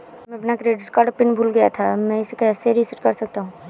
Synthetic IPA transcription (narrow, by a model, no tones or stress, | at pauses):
mɛ̃ɐpnakɾeːɖɪʈkaɖpɪnbʱulɡɐja̰t̪ʰamɛ̃ɪskeɛːseɾisɪʈkɐɾsɐk̚t̪aɦũː